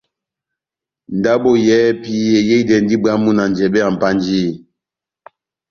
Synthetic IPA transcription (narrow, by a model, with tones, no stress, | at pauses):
n̩˨da˦bo˦˨jɛ˨˦pi˨˦je˨je˦i˦dɛ˨n˦di˦ba˦mu˦na˨n˨d͡ʒɛ˨bɛ˦a˨m̩˨pa˦n˦d͡ʒi˦˨